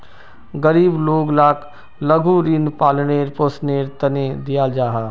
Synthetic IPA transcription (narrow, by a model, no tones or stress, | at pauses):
ɡəɾiːbloːɡlaːkʰ | lɐɡʱuɾinpaːlneːɾpoːsneːɾt̪ɐned̪ijaːld͡ʒaːɦaː